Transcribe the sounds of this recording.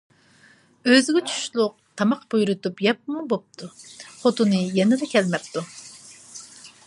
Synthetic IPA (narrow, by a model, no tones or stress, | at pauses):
øzɪɡʲɛt͡ʃʰy̥ʃlˠʊq̚t̪ʰɑmɑqb̥ujuɾut̪upjɛp̚mubop̚t̪ʰuχot̪unɨjɛnɛd̪ɛkʲʰɛlmɛp̚t̪u